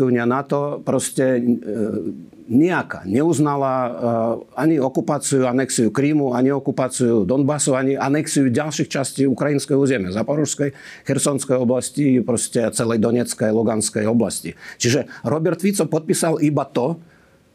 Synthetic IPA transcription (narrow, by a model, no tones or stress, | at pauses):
ɛunɪanat̪ɔpɾɔscɛ | ɲɛaka̰ɲɛuznala | aɲiɔkupaːt͡sijuanɛksijukɾiːmuaɲiɔkupaːt͡sijud̪ɔnbasɔaɲianɛksijuɟalʃixt͡ʃasciːukɾajinskɛjuːzɛmɪɛzapɔɾuʃskɛjxɛɾsɔnskɛjɔblascipɾɔscɛt͡sɛlɛjd̪ɔɲɛt͡skɛjluɡanskɛjɔbla̰scit͡ʃiʒɛɾɔbɛɾt̪fit̪t͡sɔpɔt̪̚pisalibat̪ɔ